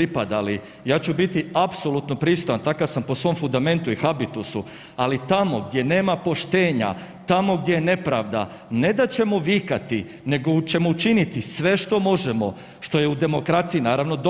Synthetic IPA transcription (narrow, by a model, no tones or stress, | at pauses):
ipad̪ali | jaːt͡ɕubit̪iapso̞lut̪no̞pɾiːst̪o̞jant̪akaʋsampo̞sʋo̞mfund̪ame̞nt̪uixabit̪usu | alit̪amo̞ɡd̪ʲje̞ne̞ːmapo̞ʃt̪e̞ːɲa̰ | t̪amo̞ɡdʲje̞jene̞pɾaːʋd̪a̰ | ne̞d̪at͡ɕe̞moʋikat̪i | ne̞ɡot͡ɕe̞mout͡ʃinit̪isʋe̞ʃt̪o̞mo̞ʒemo̞ | ʃt̪o̞jeud̪e̞mo̞kɾat̪sijinaːɾaʋno̞d̪